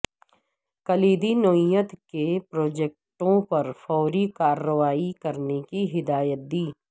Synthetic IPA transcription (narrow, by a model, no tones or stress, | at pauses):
kɐliːd̪inoːjət̪kepɾoːd͡ʒeːk̚ʈõpɐɾfɔːɾikaːɾːəʋaːikɐɾnekiɦɪd̪aːjət̪̚d̪iː